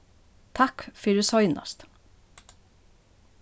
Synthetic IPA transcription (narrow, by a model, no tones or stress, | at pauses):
t̪ʰɑkfiːd̪ʉːsɔʏnʔɑ̰st̪